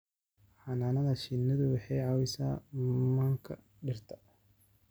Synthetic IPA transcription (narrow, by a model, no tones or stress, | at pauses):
ħɑnaːnɐðɐʃɪnːɐðʊwɑħɑjʕɑwɪsa̰ːmɐŋkʰɐ | ɖɪrt̪ʰɐ̥